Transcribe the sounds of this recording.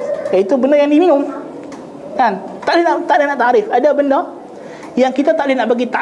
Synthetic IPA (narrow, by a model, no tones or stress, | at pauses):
jait̪ubənərjaŋdiminʊm | kant̪aʔlɪhnaʔt̪aʔlɪhnaʔt̪aɾɪfadabəndə | jaŋkit̪at̪aʔlɪhnaʔbaɡit̪a